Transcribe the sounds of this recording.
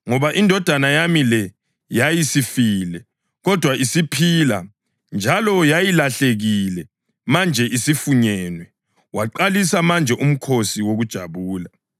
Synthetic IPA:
ŋɔβaʔindʱɔd̥ʱanajamilɛ | jajisifiːlɛ | ɣɔd̥ʱwaisipʰila̰ | nd͡ʒʱalɔjajilaɬeɣilɛ | mand͡ʒʱɛʔisifuɲɛːnwɛ | waǃalisamand͡ʒʱɛʔum̩kʰosiwoɣud̥ʒ̥ʱa̰βuːla

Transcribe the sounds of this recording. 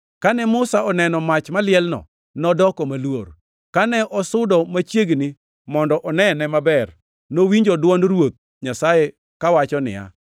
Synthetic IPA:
kanɛmʊsaɔnɛnɔmat͡ʃmalɪɛlnɔ̰ | nɔdɔkɔmalwo̰r | kanɛʔɔsʊdɔmat͡ʃjeɡnɪ | mɔndɔʔɔnɛnɛmabɛr | nowiɲd͡ʒɔdwɔnrwot̪̚ | ɲasajɛ | kawat͡ʃɔnɪ̰ja̰

